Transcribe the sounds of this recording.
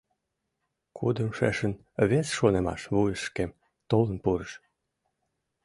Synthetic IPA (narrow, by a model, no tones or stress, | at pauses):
kʰud̪ə̆mʃḛʃə̆n | βesʃonemɑ̰ʃβujəʃːkem | t̪olənpuɾəʃ